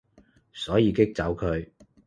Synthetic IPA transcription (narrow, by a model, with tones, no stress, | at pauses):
sɔː˨˥jiː˨˧kɪ˥k̚t͡sɐ˨˥wkʰɵ˨˧ɥ